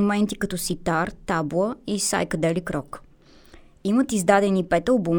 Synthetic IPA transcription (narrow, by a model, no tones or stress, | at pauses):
omɛnt̪ikɐt̪ɔsit̪aɾt̪ablˠəisa̰jkəd̪ɛlikɾɔk | imət̪izd̪ad̪ɛnipɛt̪əlˠbum